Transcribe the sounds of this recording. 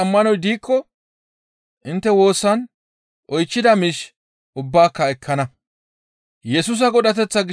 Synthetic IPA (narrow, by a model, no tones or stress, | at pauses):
ɐmːɐnɔjd̪iːkʰːɔ | ʔɪnt̪ːɛwo̞ːsːɐn | ʔɔjt͡ʃːɪd̪ɐmiʃ | ʊbːaːkːɐɛkʰːɐnɐ | jɛsʊs̬ɐɡɔɗɐt̪̬ɛt͡sːɐɡ